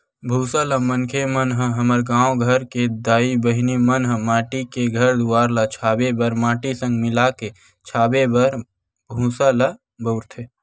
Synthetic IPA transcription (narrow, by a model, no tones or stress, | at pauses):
bʱuːsələmənkʰemənɦə̃ɦəməɾɡãːõɡʱəɾked̪aːibəɦnimənɦə̃maːʈikeɡʱəɾd̪uwaːɾlat͡ʃʰaːbebəɾmaːʈisə̃ŋɡmɪlake | t͡ʃʰaːbebəɾ | bʱũːsala | bəʊɾt̪ʰe